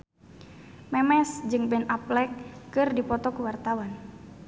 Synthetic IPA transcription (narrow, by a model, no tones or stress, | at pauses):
mɛmɛsd͡ʒɨŋbɛnaplɛkːɨrdipɔt̪ɔkuwart̪awan